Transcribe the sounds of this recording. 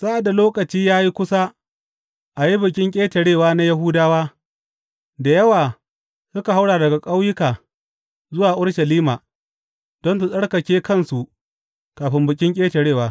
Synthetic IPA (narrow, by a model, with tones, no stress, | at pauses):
sa˦ʔa˨dːa˨loː˦kɐ˨t͡ʃiː˦jaː˦ji˦kʷʊ˦sa˦ | ʔa˨ji˦bɪ˨kʲʼɪ˦ŋkʲʼeː˦tɐ˨ɽeː˦˨waː˦na˦jɐ˦ɦʊ˦daː˦waː˦ | da˨jɐ˦waː˨ | sʊ˦ka˨ɦa˦wɽaː˨dɐ˨ɡa˨kʼa˦wjɪ˦kaː˨ | zʊ˦waː˨ʔʊ˦ɽʃɐ˨liː˦maː˨ | d̥ɔ˦nsu˨sʼɐ˦ɽkɐ˨kʲeː˦kɐ˦nsu˨ʔ | kaː˨ɸɪ˦mbɪ˨kʲʼɪ˦ŋkʲʼeː˦tɐ˨ɽeː˦˨waː˨˦